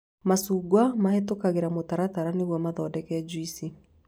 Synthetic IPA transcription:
masuːɡwamahɛtokaɣeɾamotaɾataɾaneɣwɛmaðɔdɛkɛd͡ʒwisi

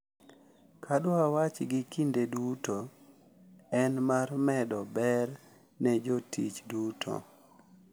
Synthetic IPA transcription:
kʰadwawat͡ʃɡɪkindeduto | ɛnmarmɛdɔbɛr | nɛd͡ʒotʰit͡ʃdutʰo̰

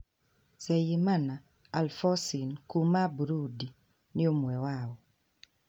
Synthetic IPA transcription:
sɛjimana | alfɔsinkumabuɾudi | nɪomwɛwawɔ

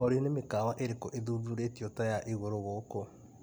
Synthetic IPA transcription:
oɾenemekaːwaʔeɾekoʔeðuðuɾetiotajaʔiɣoɾoɣoːko

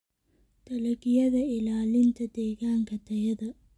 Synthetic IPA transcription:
t̪ɐlɐkijɐðɐilaːlint̪ɐt̪eɡaːŋkɐt̪ːɐjɐðɨ

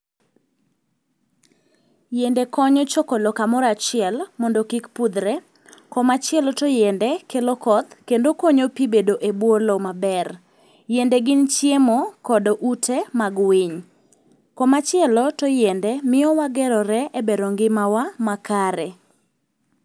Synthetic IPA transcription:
jendekɔɲɔt͡ʃokɔlɔkamɔɾat͡ʃɪɛlmɔndokikpud̪ɾɛ | kɔmat͡ʃɪɛlɔtojɛndɛkelokɔd̪kendokɔɲopibedoʔebwɔlɔmabɛr | jendɛɡɪnt͡ʃjemokɔdɔʔutʰemaɡwiɲ | kɔmat͡ʃɪɛlɔtojɛndɛmɪɔwaɡɛɾɔɾɛʔebeɾoŋɡɪmawamakaɾɛ

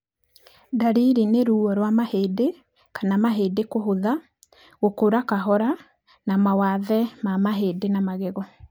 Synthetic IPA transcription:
daɾiɾineɾuːɔɾwamaheːde | kanamaɦeːdekoɦoða | ɣokoɾakaɦɔɾa | namawaðɛmamaɦeːdenamaɣeɣɔ

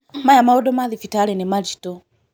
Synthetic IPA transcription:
majamaɔdɔmaðifitaɾɛnemaɾitɔ

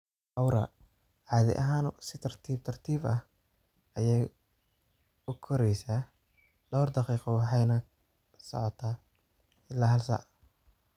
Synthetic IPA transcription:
ʔɐwɾɐ̰ | ʕɑːðɪ̰ʔɐɦaːnsɪt̪ʰɐrt̪ʰiːb̚t̪ʰɐrt̪ʰiːbɐh | ɐjɛj | ʊkʰɔɾɛjsaː | d̪ɔwrd̪ɑqiːqɔwɑħɑjnɐ | sɔ̰ʕɔt̪ʰaː | ɪlːaːɦɐlsa̰ʕ

